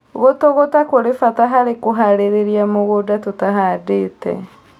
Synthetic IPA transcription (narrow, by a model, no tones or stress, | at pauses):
ɣotoɣotakoɾefataɦaɾekoɦaɾeɾeɾiamoɣodatutaɦadetɛ̰